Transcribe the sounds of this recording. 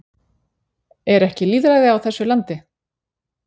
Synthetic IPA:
ɛɾɛhcɪliːðɾajðɪawθɛsːʏlant̪ɪ

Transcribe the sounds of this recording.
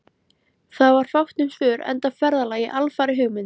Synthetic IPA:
θaðvaɾ̥fawht̪nʏmsvʏːɾɛ̰nt̪avfɛɾðalaːjɪʔalfaːɾɪɦʏːɣmʏn

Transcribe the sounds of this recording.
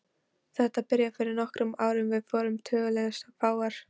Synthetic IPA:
θɛht̪apɪɾjafɪɾɪɾnɔhkɾʏmaːwɾʏmvɪðfɔːɾʏmt̪ʰœːɣʏlɛɣast̪afaːwaɾ̥

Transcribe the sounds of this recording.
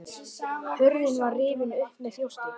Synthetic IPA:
θʏɾðɪnvarrɪːvɪnʏhpnɪθjowht̪

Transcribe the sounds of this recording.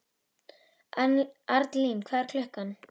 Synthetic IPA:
aɾt̪linkʰvɛːðɾkʰlʏhkan

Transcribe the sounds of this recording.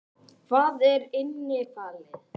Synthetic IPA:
kʰvaːðɛɾɪnːɪfaːlɪ

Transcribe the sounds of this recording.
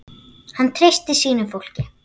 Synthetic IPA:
hanːt̪ʰɾejst̪ɪsiːnʏmfowl̥cɪ

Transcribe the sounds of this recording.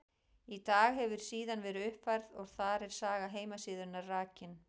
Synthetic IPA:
it̪aːɣɦɛvʏɾ̥siːðanvɛːɾʏʏhpfajɾðɔɣθaɾɛɾ̥saːɣaɦeːjmasɪːðʏnaɾraːcɪn

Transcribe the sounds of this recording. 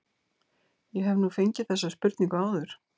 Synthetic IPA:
jɛɦɛvnuːfeɲcɪθɛsːaspʏɾt̪niŋkaːwðʏɾ̥

